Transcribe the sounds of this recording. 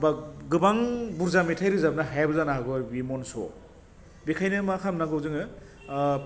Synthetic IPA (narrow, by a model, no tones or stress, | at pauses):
baɡɯbaŋbuɾzamitʰajɾɯzabnaɦajbɯzanaɦaɡɔbimɔnsɔ̰ | bikʰajnɯmakʰamnaɡɯwzɯŋɯ